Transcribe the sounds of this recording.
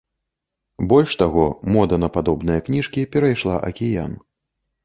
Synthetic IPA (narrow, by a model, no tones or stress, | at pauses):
bɔlʲʂt̪aɣɔmɔd̪ɐnɐpad̪ɔbnɨjɐknʲiʂkʲipʲɛɾajʂlˠaʔɐ̰kʲija̰n